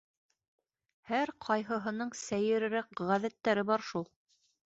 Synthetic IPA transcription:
hæɾqʰɑjɦɤ̆ɦɤ̆nɤɴsæjɘ̆ɾɘ̆ɾæk̚ʁæðæt̪ːæɾɘbɑɾʃulˠ

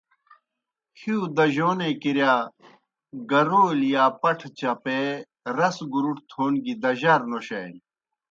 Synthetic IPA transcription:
hiud̪ɐʑoːnekiɾjaː | ɡɐɾoːljaːpɐʈʰt͡ɕɐpe | ɾɐsɡuɾuʈt̪ʰoːnɡid̪ɐʑɐɾnoɕɐjn

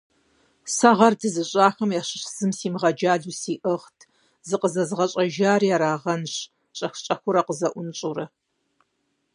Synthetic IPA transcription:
sɐʁɐrdɨzɨɕʼaːxɐmjaɕɪɕz̥ɨmsiːmʁɐd͡ʒaːɮuːsiːʔɨʁtʰ | zɨqəzɐzɨʁɐɕʼɐʒaːrjaːɾaːʁɐnɕ | ɕʼɐxt͡ʃʼɐxʷʊɾɐqəzɐʔʷʊnɕʼuɾɐ

